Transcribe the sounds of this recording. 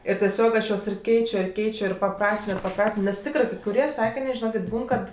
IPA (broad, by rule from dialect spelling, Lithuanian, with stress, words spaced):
ɪr tʲɛˈsʲoːk ˈɐʃ ˈjuɔs ɪr ˈkʲɛɪt͡ʃʲoː ɪr ˈkʲɛɪt͡ʃʲoː ɪr pɐˈprɑːsʲtʲɪnoː ɪr pɐˈprɑːsʲtʲɪnoː nʲɛs ˈtʲɪkrɜ kɐɪ kʊˈrʲiɛ ˈsɑːkʲɪnʲeː ʒʲɪˈnoːkʲeːtʲ ˈbuːn kɐt